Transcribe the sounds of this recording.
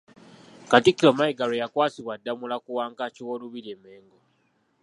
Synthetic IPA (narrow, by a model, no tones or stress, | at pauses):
katikːiɾomaiɡalojakwaːsiwadːamulakuwaːŋkaciwoluβiɾieːme̞ːŋɡo